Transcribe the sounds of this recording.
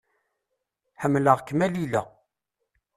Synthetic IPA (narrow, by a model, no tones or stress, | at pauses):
ħəmːləʁkːmælilæ